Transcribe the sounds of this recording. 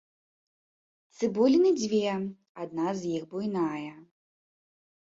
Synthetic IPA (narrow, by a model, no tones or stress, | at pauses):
t̪sɨbɔlʲinɨd͡zʲvʲɛ | ad̪̚nazjixbujnajɐ